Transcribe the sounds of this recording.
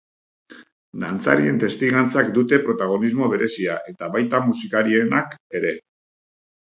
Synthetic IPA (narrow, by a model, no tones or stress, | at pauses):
d̪ant͡sa̰ɾie̞nt̪e̞st̪iɣant͡sakd̪ut̪e̞pɾo̞t̪aɣ̞o̞nizmo̞β̞e̞ɾe̞siaʔe̞t̪aβajt̪amusikaɾie̞nake̞ɾe̞